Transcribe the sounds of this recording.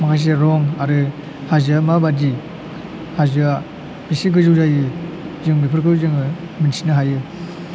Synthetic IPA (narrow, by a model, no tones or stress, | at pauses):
makʰajs̬eɾɔŋaɾɯ | hazɯamabadi | hazɯa | b̥isiɡɯzɯwzajɯ | zɯŋbipʰɯɾkʰɯzɯŋɯ | minsinɯɦajɯ